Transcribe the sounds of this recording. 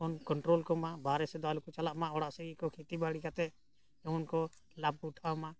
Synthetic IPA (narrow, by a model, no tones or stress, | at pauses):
ɔnkɔɳʈɾoːlkɔmãbaɾɛsɛd̪ɔalukɔt͡ʃalaʔmãɔɽaʔsɛɡikɔkʰit̪ibaɽikat̪ɛ | ɛʊnkɔ | lab̚kuʈʰamã